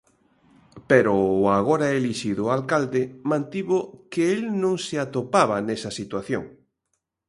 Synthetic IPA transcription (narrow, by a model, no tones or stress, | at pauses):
peɾoaɣ̞oɾaɛeliʃiðʊalkald̪ɪmãnt̪iβokɪelnõŋsɪat̪opaβanɛsɐsit̪waθjo̰ŋ